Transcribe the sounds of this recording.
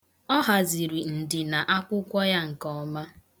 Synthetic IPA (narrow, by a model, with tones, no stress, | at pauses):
ɔ˦ɦa˨zi˨ɾi˨n̩˨dɪ˨na˨ʔa˦kʷʊ˦kʷɔ˦ja˦ŋ̩˨kɔ˨˦ma˦